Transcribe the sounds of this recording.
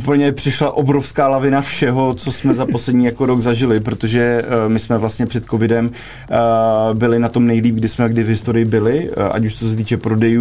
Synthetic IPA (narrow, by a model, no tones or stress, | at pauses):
upl̩ɲɛpr̥ɪʃlaʔo̞bɾo̞fskaːlavɪnafʃɛɦo̞t͡so̞smɛzapo̞slɛdɲiːjakoɾo̞ɡzaʒɪlɪp̬ɾot̪o̞ʒɛmɪsmɛvlast̪ɲɛpr̝̥ɛt̪ko̞vɪdɛm | bɪlɪnat̪o̞mnɛjliːp̚ɡ̚dɪsmɛɡdɪvɦɪst̪oɾɪjɪbɪlɪʔa̰cuʃt͡sos̬ɛt̪iːt͡ʃɛpɾo̞dɛjuː